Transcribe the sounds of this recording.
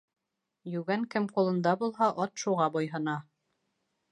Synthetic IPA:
jʉɡæŋkɘmqulˠɤ̆nd̪ɑbulˠɦɑʔɒt̪ʃuʁɑbojɦɤ̆nɑ

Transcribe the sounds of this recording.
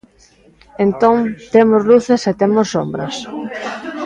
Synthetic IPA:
ent̪oŋt̪emozluθeset̪emosːombɾɐs

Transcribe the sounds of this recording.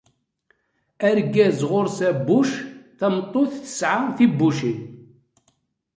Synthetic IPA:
æɾɡæzʁoɾsæbːuʃθæmt̪ˤːoθθə̥sʕaʁθibːuʃi

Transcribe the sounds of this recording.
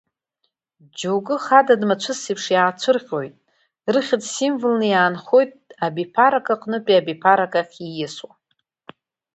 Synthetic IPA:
d͡ʒowɡɨχadadmat͡ʃʷʰɨsipʰʂjaːt͡ʃʷʰɨrʁʲo̞jtʼ | rɨχʲɪdsimvɨlnɨjaːnχo̞jtʼabipʰaɾakʼaqʼnɨpʼiabipʰaɾakʼaχʲijɪswa

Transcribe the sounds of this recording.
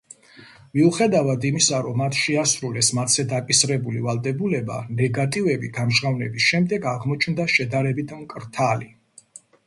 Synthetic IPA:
miuχɛd̪avad̪imisaɾɔmːat̪ʰʃɛasɾulɛsmat̪sɛd̪akʼisɾɛbulivalˠd̪ɛbulɛba̰nɛɡat̪ʼivɛbiɡamʒʁavnɛbisʃɛmd̪ɛɡaʁmɔt͡ʃʰnd̪aʃɛd̪aɾɛbit̪ʰmkʼɾt̪ʰali

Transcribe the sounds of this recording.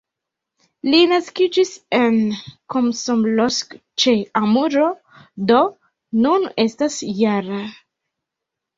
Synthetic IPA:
linaskid͡ʒisenkomsomlosk | t͡ʃeamuɾo | d̪o̞ | nune̞stasjaɾa

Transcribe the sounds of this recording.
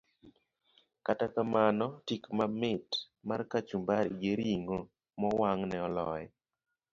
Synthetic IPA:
katakamanɔtikmamɪt | markat͡ʃumbaɾḭɡeɾiŋo | mɔwaŋnɛɔlɔ̰jɛ

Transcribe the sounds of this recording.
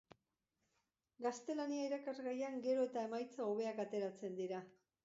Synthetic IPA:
ɡast̪e̞laniaiɾakarɣajaŋɡe̞ɾo̞e̞t̪ae̞majt͡saoβe̞akat̪e̞ɾat͡se̞nd̪iɾa

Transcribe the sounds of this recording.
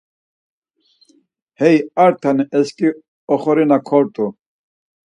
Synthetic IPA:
hɛjaɾt̪ʰaniʔɛskʼi | ɔχɔɾinakʰɔɾt̪ʼu

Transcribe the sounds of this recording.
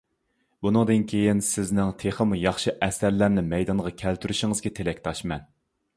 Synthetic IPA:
bunɨŋd̪ɨnkʲʰejinsɪznɪŋt̪ʰeχəmujɑχʃɨʔɛsæɾlæɾnɪmɛjd̪ɑnʁɑkʲʰælt̪ʰyɾyʃɪŋɨzɡʲɛt̪ʰelɛkʲt̪ʰɑʃmɛn

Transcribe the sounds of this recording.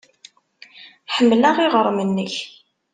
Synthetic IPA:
ħəmːlaʁiʁəɾˤmənːəç

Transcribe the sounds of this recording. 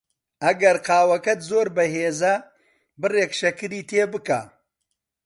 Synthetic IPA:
ɐɡɐɾqaːwɐkɐt̪zoːɾbɐɦeːzɐ | bɨreːkʃɐkɨɾiːt̪ʰeːbɨka̰ː

